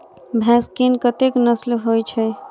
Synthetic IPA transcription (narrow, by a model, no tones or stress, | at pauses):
bʱɛ̃skinkət̪eknəslɦojt͡ʃʰə